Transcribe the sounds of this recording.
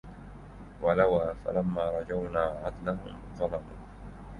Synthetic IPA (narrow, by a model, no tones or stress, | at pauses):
walawaːfa̰lamːaːɾˤɑd͡ʒawnaːʕad̪laɦʊ̰mðˤɑlɑmṵːn